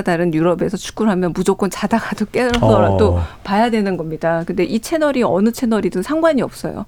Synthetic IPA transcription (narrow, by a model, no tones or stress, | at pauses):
daɾɯnjuɾʌbe̞sʰʌt͡ɕʰu̥k͈̚uɭɦamjʌnmud͡ʑok͈ʌnt͡ɕadaɡadok͈e̞ɾʌsʰʌɾadopajadwe̞nɯnɡʌmɲidakɯnde̞ʔit͡ɕʰe̞nʌɾiʌ̰nɯt͡ɕʰe̞nʌɾidɯnsʰaŋɡwaɲiʌp̚s͈ʌ̰jo̰